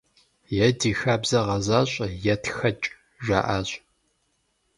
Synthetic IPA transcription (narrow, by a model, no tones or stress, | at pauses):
jɛdiːxaːbzɐʁɐzaːɕʷʼɐjɛtʰxɐt͡ʃʼ | ʒʷa̰ːʔaːɕʼ